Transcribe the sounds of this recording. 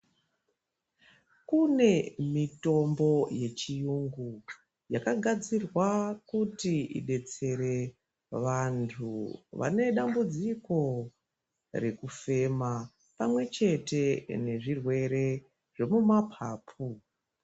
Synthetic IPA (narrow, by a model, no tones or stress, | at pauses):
kune̞mito̞mbo̞je̞t͡ʃijuŋɡu | jakaɡʱad͡zirwakutiḭɗe̞t͡se̞ɾe̞ | ʋantʰuʋa̰ne̞ɗambud͡ziko̞ | re̞kufe̞ma | pamwe̞t͡ʃe̞te̞ne̞ʐirwe̞ɾe̞ | ʐ̥e̞mumapʰaːpʰu